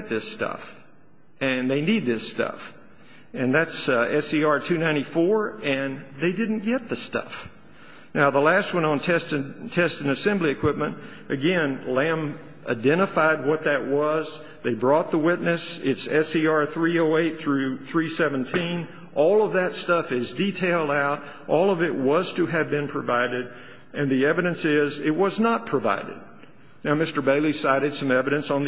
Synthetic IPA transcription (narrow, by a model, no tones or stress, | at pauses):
t̪̚ðɪstʌ̰f | ɨ̃nðeɪnid̪̚ðɪstʌ̰f | ɨ̃nðætsɛsiɑɹtʰʉnãɪ̃ñifɔɹɨ̃nðeɪdɪdⁿn̩ɡ̥ɛt̪̚ðɨstʌ̰f | naʊðəlæst̚wʌ̃nn̩tʰɛstɨtʰɛstɨ̃ŋɨsɛ̃mbliɨkʰw̥ɪp̚mɨ̃nt | ʔɨɡɛ̃nlæ̃m | ʔa̰ɪdɛ̃ɾ̃əfaɪd̚wʌt̪̚ðɨʔ̚wʌz | ðeɪbɹɔt̪̚ðəwɪtⁿnɨsɪtsɛsiɑɹθɹioʊeɪt̪̚θɹʉθɹisɛvɨ̃n̩tʰĩn | ʔɔlˠʌvðɨtstʌfɪzditʰeɪlˠdaʊɾ | ʔɔlˠʌvɪʔ̚wʌz̥tʰɨɨvbɨ̃npʰɹ̥ɨvaɪɾɪɾ | ɨ̃nðiɛvɨɾɨ̃nsɪzɪt̚wʌznət̚pʰɹ̥ɨva̰ɪɾɨ̰d̚ | naʊmɪstə˞beɪlˠisaɪɾɨd̥sʌ̃mɛvɨɾɨ̃nsn̩ð